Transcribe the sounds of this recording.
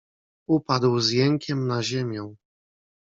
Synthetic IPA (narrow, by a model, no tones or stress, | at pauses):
upad̪wzjɛŋkʲɛmnaʑemʲjɔ̃w̃